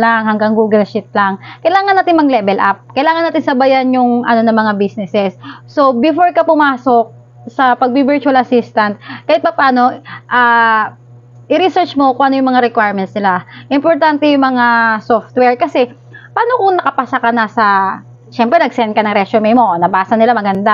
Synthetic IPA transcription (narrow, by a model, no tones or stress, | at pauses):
laŋhɐŋɡaŋɡuːɡɪlʃɪt̪̚laŋkɐjlaːŋɐnːaːt̪ɪnmɐɡlɛːbɛlʔap̚kɐjlaːŋɐnːaːt̪ɪnsɐbajanjʊŋʔɐ̰no̞nɐmɐŋabisnɛsɛsso̞bɪfoɹkɐpʊmaːsok̚ | sɐpɐɡ̚bibɛɹt͡ʃʊɐlɐsist̪ɐnt̪̚kɐːɪt̪̚pɐpaːno̞ʔaː | ʔɪɾisɛɹt͡ʃmo̞kʊŋʔɐnojʊŋmɐŋaɾɛkwajɹmɛnt̪snɪlaʔɪmpoɹt̪ant̪ɛjʊŋmɐŋasoft̪̚wɛɹkɐsɛ | paːno̞kʊŋnɐkɐpasɐkɐnɐsɐ | ʃɛmpɾɛnɐɡsɛnkɐnɐŋɾɛt͡ʃomejmo̞nɐbaːsɐnɪlamɐɡɐnd̪a